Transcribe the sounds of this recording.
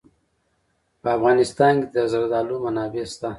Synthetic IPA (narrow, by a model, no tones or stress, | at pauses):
pəafɣɑnɪst̪ɑnked̪əzaɾd̪ɑlumanɑbest̪a